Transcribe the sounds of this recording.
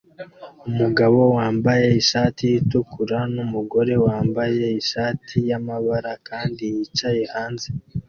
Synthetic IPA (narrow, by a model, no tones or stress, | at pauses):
umuɡaβo̞waːmbaje̞iʃaːtijitukʰuɾanumuɡo̞ɾe̞waːmbaje̞iʃaːtʰijamaβaɾakaːndijit͡ʃajehaːnze